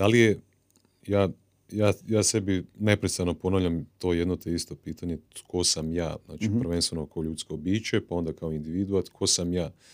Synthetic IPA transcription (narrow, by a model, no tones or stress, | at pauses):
d̪̥alije | jaː | jaːjaːse̞bine̞pɾet̪st̪ano̞po̞naʋʎʲamt̪o̞ːje̞d̪no̞t̪eist̪o̞piːt̪ʰaɲe̞kʰo̞samja̰ːzna̰ːt͡ʃipr̩ʋe̞nst̪ʋe̞nokoʎut̪skobiːt͡ʃe̞pao̞nd̪akaoind̪iʋid̪uat̪kʰo̞samjaː